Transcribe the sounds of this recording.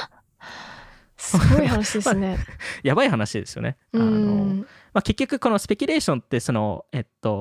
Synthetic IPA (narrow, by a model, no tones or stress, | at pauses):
soɡoihanaɕid̪emaɨnejabaihanaɕid̪e̞sɨjo̞̰ne̞̰ | ɯãn | make̞kʲːo̞kɯ̟ko̞no̞sɨ̥pe̞kʲɨ̟ɾe̞ːɕõ̞nt̪ːe̞so̞no̞̰e̞t̪ːo̞